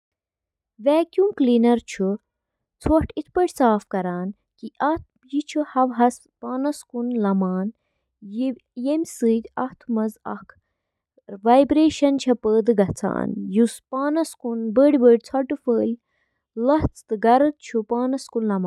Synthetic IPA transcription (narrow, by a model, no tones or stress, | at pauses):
ʋɛːkʲjumklinɐɾt͡ʃʰu | t͡sʰoʈʰit̪̚ʰpəɽʲsaːfkɐɾaːn | kiʔɐt̪̚ʰ | jit͡ʃʰuhɐʋɦɐs | paːnɐskunlɐmaːn | jijemʲsɨːt̪ʲɐht̪ʰmɐzɐ̰kʰ | ʋaːjbɾeːʃɐnt͡ʃʰɐpəːd̪ɨɡɐt͡sʰa̰ːnjuspaːnɐskunbəɽʲbəɽʲt͡sʰɐʈɨfəːlʲ | lɐht͡sʰt̪ɨɡɐɾɨt̪̚t͡ʃʰupaːnɐskunlɐmaːn